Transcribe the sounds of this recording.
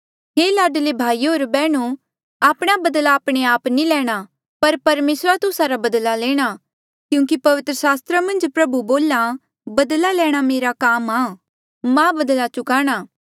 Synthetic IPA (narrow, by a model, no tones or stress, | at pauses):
ɦeːlaːɖlebʱaːioːɾbɛːɽ̃u | aːpɽ̃abɐd̪laːpɽ̃eaːpnilɛːɽ̃a | pɐɾpɐɾmeːsɾat̪ʊsaɾabɐd̪laleːɽ̃a | kjũːkipɐʋɪt̪ɾəsaːst̪ɾamɐ̃nd͡ʒpɾɐbuboːla | bɐd̪lalɛːɽ̃ameːɾakaːmaː | mãbɐd̪lat͡ʃʊkaːɽ̃aː